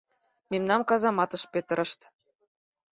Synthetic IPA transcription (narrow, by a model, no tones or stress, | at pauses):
memnɑmkɑzɑmɑt̪ɤ̆ʃpet̪ə̆ɾɤ̆ʃt̪